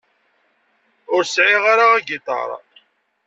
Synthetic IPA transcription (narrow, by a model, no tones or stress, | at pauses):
ʊɾsʕɪʁaɾaæɡɪt̪ˤɑ̰ɾˤɑ̰